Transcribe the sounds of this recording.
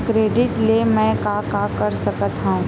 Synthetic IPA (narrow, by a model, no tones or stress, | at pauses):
kɾeːɖɪʈlemɛ̃kakakɐɾsɐkət̪ɦaũ